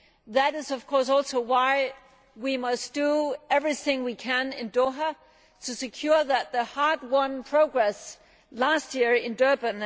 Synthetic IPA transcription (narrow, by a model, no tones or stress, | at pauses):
ðɨɾɨzʌv̥kʰɔɹs̬ɔlˠsoʊwaɪ | wimʌsd̥əɛvɹiθɪ̃ŋwikʰɨ̃nɪ̃ndoɦə | ɾʰɨsɨkʰj̥ʊɹðɨt̪̚ðəhɑɹd̚wɔɹnpʰɹ̥oʊɡɹɛs | læst̚jɪɹɪ̃ndɜ˞bɨ̃n